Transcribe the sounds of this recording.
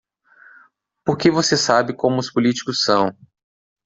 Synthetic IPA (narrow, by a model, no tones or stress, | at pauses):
poɾkevosesabɪkõmʊːʊspʊlit͡ʃi̥kʊsːɐ̃w̃